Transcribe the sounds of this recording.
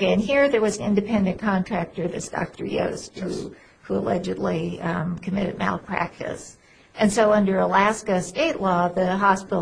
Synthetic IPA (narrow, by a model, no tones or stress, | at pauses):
ɪɨ̃nɦiɹðə˞wʌzn̩ɪ̰̃ndɨpʰɛ̃ndɨ̃nkʰɑ̃ntʰɹ̥æk̚tə˞ðɨ̰tsd̥ɑ̰k̚tə̰˞jo̰ʊst̚hu | huə̰lɛ̰d͡ʒɨdˡlikʰɨmɪɾɨ̰d̚mæ̰lˠpʰɹ̥æ̰k̚tɨ̰s | ɨ̃nsoʊʌ̃ndə˞əlæskɨsteɪʔˡlɔðɨɦɑspɪ